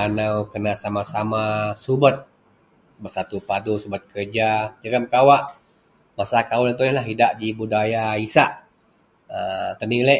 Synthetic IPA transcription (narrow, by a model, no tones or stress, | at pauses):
anawkənasamasamasubət̪̚ | bərsat̪upadusubət̪̚kʰərd͡ʒad͡ʒəɡamkawaʔ | masakawəlnt̪uləlaɦidaʔd͡ʒibudajaisaʔ | ət̪əniləʔ